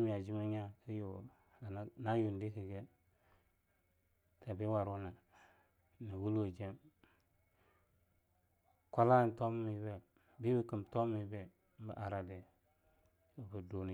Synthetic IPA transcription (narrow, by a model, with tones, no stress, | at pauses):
m˨ja˨d͡ʒi˦ma˦ɲa˦ki˦jo˨ | a˨˦na˦ju˨n˨di˦ki˨ɡe˦ | ta˨bi˦wa˨ɾu˦na˨ | ni˨wu˦lo˨d͡ʒe˦m | ka˦la˦˨n˦to˦m˦mi˨˦be˨ | bi˦bi˨ki˨mto˦i˨˦be˦ | m̩˦bə̰˨ʔa˨ɾa˨de˨ | bi˨do˨n˨